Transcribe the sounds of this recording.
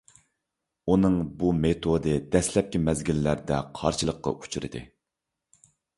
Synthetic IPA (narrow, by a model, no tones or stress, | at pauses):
unɨŋbumet̪ʰod̪ɨd̪ɛslɛp̚kʲimɛzɡʲilːæɾd̪ɛqʰɑ̰ɾʃɨlˠəqːɑ̰ʔu̥t͡ʃʰuɾɨ̰d̪ɨ̰